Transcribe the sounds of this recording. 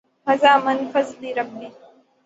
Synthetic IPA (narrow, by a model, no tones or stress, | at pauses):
mɐzaːmɐnfɐzliːɾɐb̚ːi